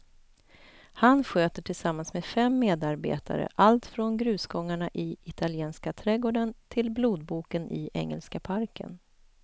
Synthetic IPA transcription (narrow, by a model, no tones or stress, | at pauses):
hanɧøːt̪əʈʰɪlsamːansmeːd̪fɛmːeːd̪aɾbḛːt̪ʰa̰ɾə̰ʔalt̪fɾɔnɡɾʉ̟ːsɡɔŋːaɳaʔɪɪt̪ʰaljeːnskat̪ʰɾɛɡoːɖənt̪ʰɪlbluːd̪̚buːkənʔɪʔɛ̰ŋːɛ̰lskapʰaɾkʰə̰n